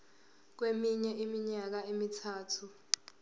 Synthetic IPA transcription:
k̬wemiɲɛʔimiɲak̬aemitʰaːtʰu

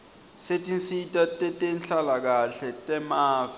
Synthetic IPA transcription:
setʼinsitʼatʼɛtʼenɬalak̬aɬɛtʼɛmaːfa

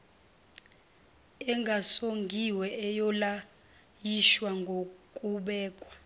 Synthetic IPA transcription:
ɛŋɡʱasoŋɡʱiwɛɛjɔla | jiʃwaŋɡʱokʼuɓɛːkʼwḁ

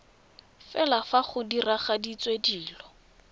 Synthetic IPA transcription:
fɛlafaχʊdiraχadit͡sʼwediːlɔ

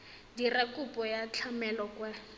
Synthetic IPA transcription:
dirakʼupʼɔjat͡ɬʰamɛlɔkwɛ

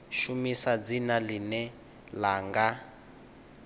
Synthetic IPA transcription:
ʃumisad͡zinalinɛ | laːŋɡa

